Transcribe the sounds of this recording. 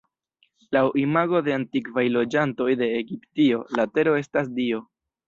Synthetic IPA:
lawʔimaɡo̞de̞antikvajlo̞d͡ʒanto̞jde̞ːɡiptio̞late̞ɾo̞e̞stas̬dio̞

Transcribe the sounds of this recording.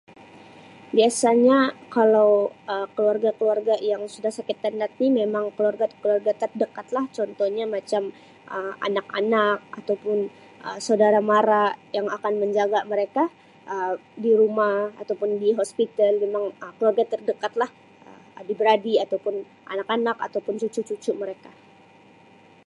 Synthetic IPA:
biasaɲakalawəkəluarɡakəluarɡajaŋsudahsakɪt̪ːəndat̪̚nimemaŋkəluarɡat̪kəluarɡat̪ərdəkat̪laht͡ʃɔnt̪ɔhɲamat͡ʃam | ʔəa̰nakanak̚at̪awpʊn | ʔəsaudaɾamaɾajaŋakanməɲd͡ʒaɡaməɾeka | ʔədiɾumaha̰t̪awpʊndiɦospit̪almemaŋəkəluarɡat̪ərdəkat̪lah | ə | dibəɾadiat̪awpʊn | ʔa̰nakanaka̰t̪awpʊnt͡ʃut͡ʃut͡ʃut͡ʃuməɾeka

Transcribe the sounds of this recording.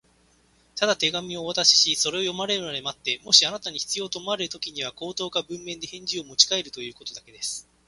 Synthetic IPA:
t̪ad̪at̪e̞ɡamʲio̞βat̪aɕi̥ɕiso̞ɾe̞o̞jo̞maɾe̞ɾaɾemat̪ːe̞mo̞ɕianat̪aɲ̟içi̥t͡sɨjo̞ːt̪omaɾe̞ɾɯ̟t̪o̞kʲiɲ̟iβ̞ako̞ːt̪o̞ːkabɯ̟̃mːẽ̞nd̪e̞hẽ̞ɲ̟d͡ʑiomo̞t͡ɕi̥kae̞ɾɯ̟t̪o̞jɯ̟ːko̞t̪o̞d̪ake̞d̪e̞sɨ̥

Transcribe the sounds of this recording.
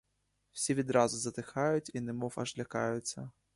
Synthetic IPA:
w̥sʲivʲid̪ɾazʊzɐt̪ɪxajʊt͡sʲinɨmɔfɐ̰ʒlʲaka̰jʊt̪sʲɐ

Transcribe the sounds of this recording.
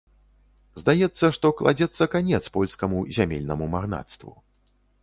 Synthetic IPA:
zd̪ajɛt̪sːɐʂt̪ɔklˠa̰d͡zʲɛt̪sːɐkanʲɛt̪spɔlʲskɐmuzʲamʲelʲnɐmumaɣna̰t̪st̪vṵ

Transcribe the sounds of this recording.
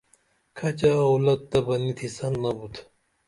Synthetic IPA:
kʰɐt͡ɕawlɐt̪̚d̪ɐbɐnit̪ʰisɐnːɐbut̪ʰ

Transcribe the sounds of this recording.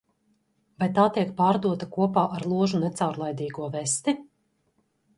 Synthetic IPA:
vajt̪aːt̪iɛkpaːɾd̪uɔt̪akuɔpaːʔaɾlˠuɔʒunɛt̪sawɾlˠajd̪iːɡuɔvɛst̪i

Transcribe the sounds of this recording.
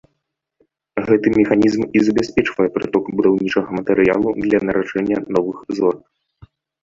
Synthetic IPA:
ɣɛt̪ɨmʲɛxanʲizmizɐbʲasʲpʲɛt͡ʂvɐjɛpɾɨt̪ɔkbud̪awnʲit͡ʂɐɣɐmɐt̪ɛɾɨja̰lˠud̪lʲɐnɐɾʔat͡ʂɛnʲːɐnɔvɨxzɔr

